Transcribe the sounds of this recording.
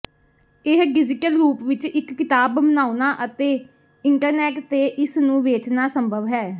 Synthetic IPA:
ɪɦbɪzɪkəlɾuːpʋɪt͡ʃɪkːɪt̪aːbmənaːunaːʔət̪eː | ɪɳʈəɾnɛːʈt̪eːʔɪsnũːʋeːt͡ʃnaːsəmbʱəʋɦɛː

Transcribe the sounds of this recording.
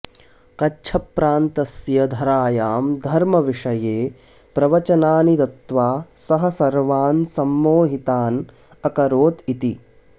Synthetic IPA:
kɐtːt͡ʃʰɐpɾaːnt̪ɐsjɐd̪ʱɐɾaːjaːmd̪ʱɐɾmɐʋiʂɐjeː | pɾɐʋɐt͡ʃɐnaːnit̪ɐt̪ʋaːsɐɦɐ̆sɐɾʋaːnsɐmːoːɦit̪aːn | ɐkɐɾoːt̪it̪i

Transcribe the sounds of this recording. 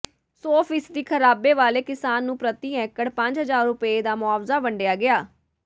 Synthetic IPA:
soːfʰiːsd̪iːkʰəɾaːbeːʋaːleːkɪsaːnːũːpɾət̪iːɛ̃ːkəɽpə̃ɲd͡ʒɦəzaːɾːʊped̪aːmʊaːʋzaːbəɳɖejaːɡɪaː

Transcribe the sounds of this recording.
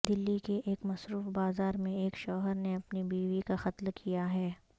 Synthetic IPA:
d̪ɪlːikeʔeːkmɐsɾuːfbaːzaːɾmẽeːkʃɔːɦəɾneɐpnibiːʋikaxɐt̪lkʰijaɦɛː

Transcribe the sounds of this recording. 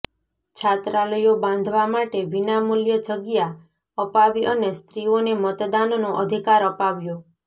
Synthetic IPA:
t͡ʃʰat̪ɾaləjoband̪ʱʋamaʈebinamuljəd͡ʒʰəɡija | əpaʋiʔʌnest̪ɾionemət̪d̪anɔnoʔəd̪ʱikaɾɔpaʋjo

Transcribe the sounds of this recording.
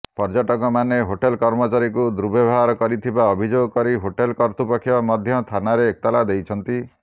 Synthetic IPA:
pɔɾd͡ʒaʈɔkɔmaneɦoʈelkɔɾmɔt͡ʃaɾikud̪ɾubebʱaɾɔkɔɾit̪ʰibaɔbʱid͡ʒoɡɔkɔɾiɦoʈelkɔɾt̪upɔkʰːjɔmɔd̪ʱjɔt̪ʰanaɾeːk̚t̪alad̪ejt͡ʃʰɔnt̪i

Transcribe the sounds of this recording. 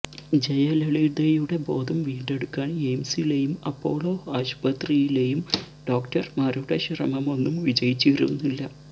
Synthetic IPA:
d͡ʑɐjɐleɭid̪ejuɽe̞bo̞ːd̪ʱɐmʋiːɳɖe̞ɽukːaːɳemsile̞jumɐpːo̞ːɭo̞ːaːɕb̥ɐt̪rijile̞jum | ɖ̥o̞ːkʈɐrmɐɾuɽɐɕrɐ̰mɐmo̞nːumʋid͡ʑɐjit͡ɕːiiɾunːilːɐ

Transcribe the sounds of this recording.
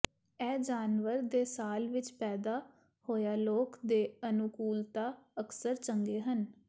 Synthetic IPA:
ɛːd͡ʒaːnʋəɾd̪eːsaːlʋɪt͡ʃpɛːd̪aː | hoːjaːloːkd̪eːənʊkuːlt̪aːəksəɾt͡ʃəŋɡeːɦən

